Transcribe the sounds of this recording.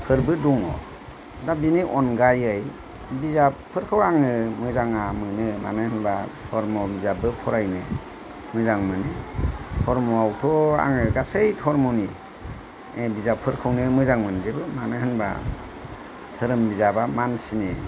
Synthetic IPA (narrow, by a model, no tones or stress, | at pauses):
pʰɯɾbɯduŋɔ̰ | dabiniʔɔnɡajɯj | bizapʰːɯɾkʰɯwaŋɯmɯzaŋamɯnɯma̰nɯhɯnbatʰɔɾmɔbizabɯpʰɔɾajnɯ | mɯzaŋmɯnɯtʰɔɾmuawtʰɔa̰ŋɯɡasejtʰɔɾmɔni | ebizapʰɯɾkʰɯwnɯmɯzaŋmɯnzebɯmanɯhɯnba̰ | tʰɯɾɯmbizabamansine